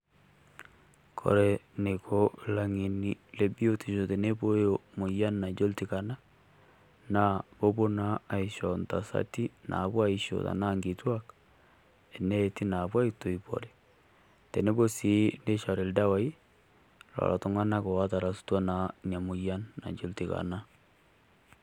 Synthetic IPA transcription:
kʰo̰˨ɾɛ˨ne˨ko˦la˨ŋe˨ni˨le˦bi˦o˦ti˨ʃo˨te˨ne˦po˦jomo˨ja˦nna˨d͡ʒo˦lti˦ka˨na˦ | na˦bo˦bo˦naː˦˨i˨ʃɔ˨nta̰˨sa̰˦ti˦nʔa̰˨βwa˦i˦ʃo̰˨ta̰˨na˦ŋɡi˨twa˦k | e˨nɛ˦ti˦na˨bwa˦i˦to˨i˨po̰˨ɾɛ˨ | tɛ˨ne˦bo˦si˨˦ne˦ʃa˨ɾe˨lda˦wa˦i˦ | lɔ̰˨lʔa˨to˨ŋa˦na˦ko˨wa˦ta˨ɾa˨su̥˦twa˦na˨nja˨mo˨ja˦nːa̰˨d͡ʒo˦lti˨ka̰˨na˦

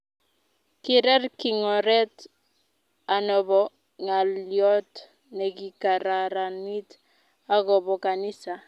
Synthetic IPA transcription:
kɪ˨ɾɛ˦rkɪ˨ŋɔ˨ɾɛ˦t | a˨nɔ˨βɔ˨ | ŋa˨ljɔ˦t | nɛ˨ki˨ka˨ɾa˨ɾa˨ni˦t | a˦ɣɔ˨bɔ˨ka˨ni˦sa˨

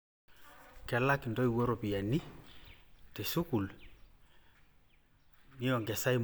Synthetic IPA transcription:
kɛ˨lakindɔ˦i˨wɔ˦ɾɔpi˨ja˨ni˦ | te˨su˦ku˨l | ni˦ɔ˨ŋɡɛ˨sa˦im

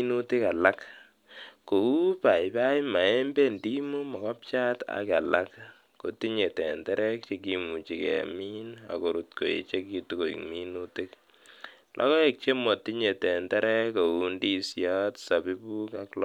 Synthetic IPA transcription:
nu˦ti˦ka˨la˦k | ko˨u˦pa˨iba˦ima˨e˦mbe˦ndi˦mu˦mɔ˨ka˦p̚t͡ʃa˦ta̰˨ka˨la˦kː | o˨ti˦ɲe˨tɛ˨ntɛ˦ɾɛ˦k̚t͡ʃe˨k̬i˨mu˨t͡ʃi˨kɛ̰˨mi˦na̰˨ko˨ɾu˨tko˨ḛ˨t͡ʃe˦ki˨tu˦ko˨ḭ˨kmi˦nu˦ti˦k | lʔɔ̰˦kɔ˦e˨k̚t͡ʃe˦mo˨ti˦ɲe˨tɛ˨ntɛ˦ɾɛ˦ko˨u˦ndi˦sja˦tsa˨bi˦bu˦ka˦kl

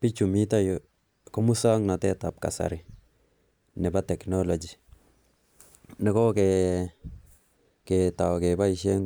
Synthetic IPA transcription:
pi˦t͡ʃu˨mi˦ta˦jo˨ | kɔ˦mu˦sa˦ŋna˨tɛ˦ta˨p̚ka̰˨sa̰˨ɾɪ˨ | nɛ˨ba˦tɛ˨knɔ˦lo˨d͡ʒi˨ | nɛ˦kɔ˦kɛ˨ | kɛ˨ta˨wkɛ˨ba˦i˨ʃɛ˦ŋ

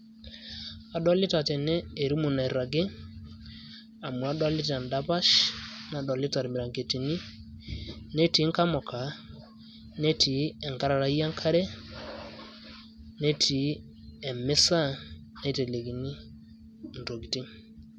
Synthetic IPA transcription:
a˨ɗɔ˦lɪ˦ta˨tɛ˨nɛː˦˨ɾu˦mu˨na˨i˨ɾa˨ɡe˦ | a˨mu˨a˨˦dɔ˦lɪ˦t̬a˨nda˦pa˦ʃna˨˦dɔ˨lɪ˦ta˨ɾmi˨ɾa˨ŋke˨ti˨ni˦ | ne˦ti˨˦ŋka˦mɔ˨ka˨ | ne˦tʰi˨ɛ˨ŋka˦ɾa˨ɾa˨i˦a˦ŋkʰa˦ɾɛ˦ | ne˦tʰi˨˦ | ɛ˨m˦sa˦ne˦˨te˨le˨ɡi˨ni˦˨ | n̩˨to˨ɡi˨ti˦

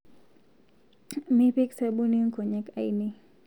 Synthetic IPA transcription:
mi˦pi˦ksabu˦ni˦ŋko˨ɲɛ˦ka˨ini˦

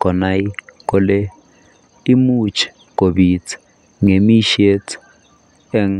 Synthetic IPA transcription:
kɔ˨na˦i˦kʼɔ˦lɛ˦ | i˦mu˦t͡ʃʰɛ̥˨ | ko˨ɓi˨t͡sʰɛ̥ | ŋe˨mi˦ʃe˦t͡sʰ | ɛ˦ŋ

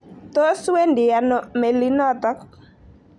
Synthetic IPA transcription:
t̪o˦se˦ndɪ˨a˨nɔ˨me˨li˦nɔ˦t̪ɔ˦k

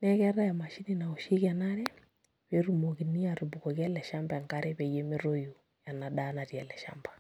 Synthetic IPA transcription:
nɛ˦ɣɛ˦ɾa˦ja˨ma˨ʃi˦ni˦na˨u˨ʃi˦ɣa˨na˦ɾɛ˦ | βe˦ɾu˦mɔ˨ɣi˨ni˦a˨ɾu˨bu˨kɔ˨ɣja˦lɛ˨ʃa˦mba˨ɛ˨ŋka˦ɾɛβɛ˨je˦mi˦ɾo˦ju˨ | ja˨na˨ɗa˦na˨ɾi˨a˨lɛ˨ʃa̰mba

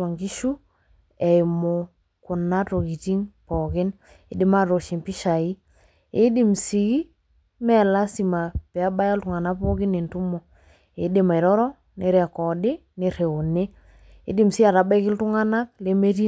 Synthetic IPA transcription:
wa˨ŋɡi˦ʃu˦ | ɛ˨jmo˨ | kʊ˨na˦to˨ki˨ti˦ŋpɔ˨kɪ˦n | ɪ˨dɪ˦ma˦ɾo˨ʃi˨mpi˦ʃa˨i˦ | ɪ˦di˨msi˨ɣi˦ | mɛ˦la˦si˨ma˨pɛ˨a˦ba˦ja˦ltʊ˨ŋa˨na˦po˦kɪ˦ne˨ntu˦mɔ˨ | ɪ˨dɪ˦ma˨i˨ɾɔ˦ɾɔ˦ | ne˨ɾa˨kɔ˨dɪ˦ | ne˨ɾe˨o˨ne˦ | ɪ̰˦dɪ˦msi˦a˨ɾa˨ba˦kɪ˦ltʊ˦ŋa˦na˦k̚le˦me˦ti˦

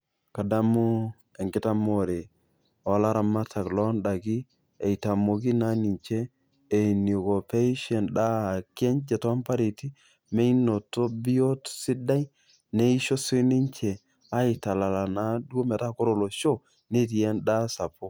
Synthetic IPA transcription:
ka˨da˦mo˦ | ɛ˨ŋɡɪ˦ta˦mo˦˨ɾe˨ | ɔ˨˦la˦ɾa˨ma˦tʰa˨klɔ˦nda˨kiː˦˨ | i˨ta˨mo˨k̬i˦na˦ni˨ɲt͡ʃeː˦˨ | ni˨ko˨pe˦i˦ʃɛ˨nɗa˦˨kɛ˦ɲd͡ʒɛ˨tɔ˦a˦mpa˦ɾe˨ti˦ | me˦i˦no˨to˦bi˦o˦tsɪ˦da˦j | ne˦i˦ʃo˦si˦ni˦ɲt͡ʃɛ˨ | a˦i˨ta˨la˨la˨na˨˦du˦o˦mɛ˨ta˦ko˦ɾo˨lo˨ʃo˦ | ne˦t̬i˨ɛ˦nda˦sa˨po˦

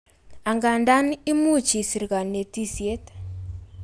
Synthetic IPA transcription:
a˨ŋɡa˨nda˦ni˦mu˦t͡ʃi˨si˨ɾka˨ne˨ti˦sje˦t

